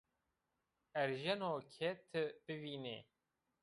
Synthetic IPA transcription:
ɛɾʒɛnoːkʰɛt̪ʰɨb̥ɨviːnḛ

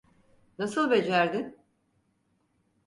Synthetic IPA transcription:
nasɯlˠbed͡ʒæɾd̪ɪn

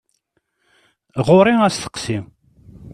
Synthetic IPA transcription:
ʁʊɾˤɪæsθə̥qsim

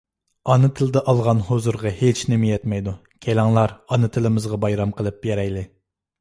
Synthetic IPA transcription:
ɑnɨt̪ʰɪld̪ɛʔɑlˠʁɑnhozuɾʁɑhet͡ʃnɪmijɛt̪mɛjd̪u | kʲʰelɑŋlˠɑɾɑnɨt̪ʰɨlɪmɨzʁɑbɑjɾɑmqəlˠɨp̚jɛɾɛjlɪ

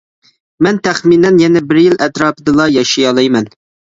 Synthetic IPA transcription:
mɛnt̪ʰɛχminɛnjɛnɛbɪɾjilʔɛt̪ɾɑːpɨd̪ɨlˠɑjɑʃijɑlˠɑjmɛn

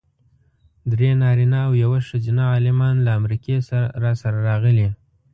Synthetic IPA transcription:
d̪ɾenɑɾinaːwjawaʂəd͡ʒinaːlɪmɑnlaːmɾikesaɾasaɾaɾɑɣəli

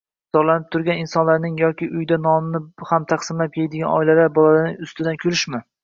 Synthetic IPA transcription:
z̥ɒɾlanɪp̚t̪ʰʊɾɡʲanɪnsɒnlaɾnɪŋjɒkʲʰɪʔʊjd̪anɒmnɪhamt̪ʰaqsɪmlap̚kʲʰejd̪ɪɡʲanʔɒ̰jlad̪abɒlˠalaɾnɪŋʊst̪ɪd̪ankʲʰolɪʃmɪ

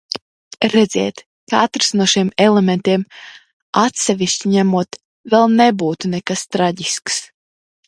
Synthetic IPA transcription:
ɾɛd̪zʲɛ̰ɛt̪ | kaat̪ɾsnuɔʃiɛmelement̪iɛm | at̪sɛvʲiʃt͡ʃiɲæmuɔt̪ | vɛlˠnebuːt̪unɛkast̪ɾaɟisks

